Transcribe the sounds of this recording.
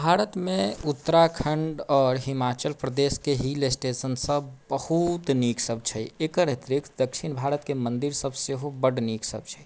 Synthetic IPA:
bʱaɾət̪mẽut̪ːəɾakʰəɳɖɔːɾɦimat͡ʃəlpɾəd̪eskeɦilesʈesənsə̃bbəhut̪niksəb̚ʱt͡ʃʰəekəɾet̪ɾikd̪əkʃʰinbʱaɾət̪kemənd̪iɾsəbseɦobəɽniksə̰b̚t͡ʃʰɛi

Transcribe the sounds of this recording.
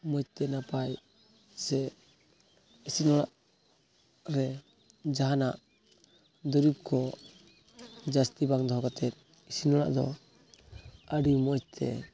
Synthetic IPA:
mɔt͡ʃ̚t̪ɛnapaj | sɛ | isinɔɽaʔ | ɾɛ | d͡ʒaɦanaʔ | d̪ɔɾip̚kʰɔ | d͡ʒast̪ibaŋd̪ɔɦɔɡat̪ɛt̪̚ | isinɔɽa̰ʔd̪ɔ̰ | əɖimɔt͡ʃ̚t̪ʰɛ̰

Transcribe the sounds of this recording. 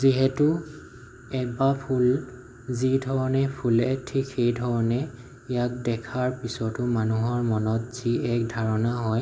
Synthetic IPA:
ziɦɛtʊ | ɛk̚bapʰul | zidʱɔɹɔnɛpʰulɛk̚tʰikʰejdʱɔɹɔnɛ | ijak̚dɛkʰaɹpisɔtʊmanuɦɔɹmɔnɔtz̥iɛk̚dʱaɹɔnaɦɔj

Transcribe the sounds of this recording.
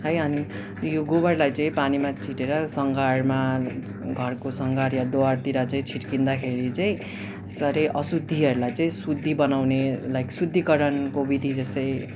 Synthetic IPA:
ɦʌjʌni | joɡobʌɾlajt͡sʌ̃ĩpanimat͡sʰiʈeɾʌsʌŋɡarma | ɡʱʌrkosʌŋɡaɾjad̪owart̪iɾat͡saĩt͡sʰiʈkind̪akʰeɾit͡sʌĩ | sʌɾʌjʔʌsud̪ʱːiʌɾulajt͡sʌĩsud̪ʱːibʌnawnelajksud̪ʱːikʌɾʌnkobid̪ʱid͡zʌst̪ʌj

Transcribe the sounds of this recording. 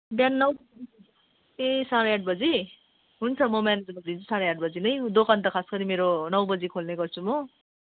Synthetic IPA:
bjanːʌw | esaɽʌaʈ̚ʰbʌd͡zi | ɦunt͡sʰʌmʌmaned͡zmʌd̪int͡sʰu̥saɽʌaʈ̚ʰbʌd͡zinʌjd̪okʌnt̪ʌkʰaskʌɾimeɾonʌwbʌd͡zikʰolneɡʌrt͡sʰumʌ

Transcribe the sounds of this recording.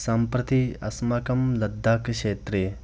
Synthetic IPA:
sɐmpɾɐt̪iɐ̰smɐkɐmlɐd̪ʱːaːkʃeːt̪ɾe

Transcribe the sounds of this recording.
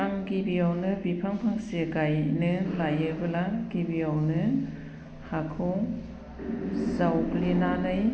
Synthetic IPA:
aŋɡibijawnɯbipʰaŋpʰaŋsiɡajnɯlajɯbɯlaɡibijawnɯ | hakʰɯw | zawplinanɯj

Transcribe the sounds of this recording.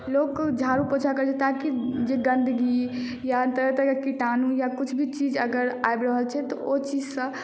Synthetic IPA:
lokd͡ʒʱaɾupõt͡ʃʰakəɾt͡ʃʰɛt̪akid͡ʒeɡənd̪əɡi | jaənt̪əɾət̪əjakiʈanujakut͡ʃʰbʱit͡ʃid͡ʒəɡəɾa̰ebɾəɦəlt͡ʃʰɛt̪ɔot͡ʃid͡ʒsə̃

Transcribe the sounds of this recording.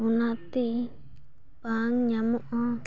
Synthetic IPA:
unat̪i | paŋɲamuʔɔ

